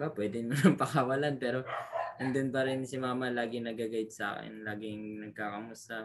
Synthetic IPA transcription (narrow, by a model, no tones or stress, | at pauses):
bapwɛːd̪ɪnmʊnɐŋpɐkawɐlanpɛːɾo̞nʊnd̪onpɐɾɪnsɪmaːmɐlaːɡɪŋnɐɡaɡɐjɪd̪̚sɐʔa̰ːkɛ̰nlaːɡɪŋnɐɡ̚kaːkɐmust̪ɐ